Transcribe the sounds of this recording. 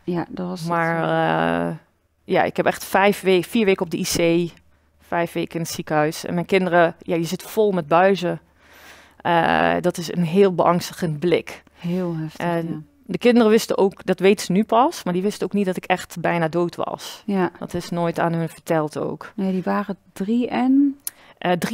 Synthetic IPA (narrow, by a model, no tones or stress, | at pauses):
jadmaɹ̰ | ja̰ɪ̰khɛpɛxtfɛjfʋeːfiːɹʋeːkəɔp̚dəʔiseː | fɛjfʋeːkəɪnətsikəhœɥsɛ̰nmɛjnkɪndərəjajəzɪtfɔlˠmɛt̚bœɥzə | ə̰dɔtɪsə̰nɦɪːlˠbəʔɑŋstəɣənblɪk | hɪlˠɦɛft | dəkɪndərəʋɪstəʔoːkdɔtʋeːtəz̥ənypɑsmaɹdiʋɪstəoːknit̚dɔtɪkɛxtbɛjnaːdoːwtʰʋɑ̰sdɔ̰tɪsnoːjta̰ːnɦɵnfəɹtʰɛlˠtʰo̰wknediʋaːrədriɛnʔdr